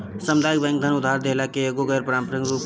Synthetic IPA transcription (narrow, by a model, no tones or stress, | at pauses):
səmd̪ʱaːjk̚bɛ̃ːŋk̚d̪ʱənʊd̪ʱaːɾd̪eːlakeeːɡoɡəːɾpɾaːmpəɾɪ̃ŋɡɾuːp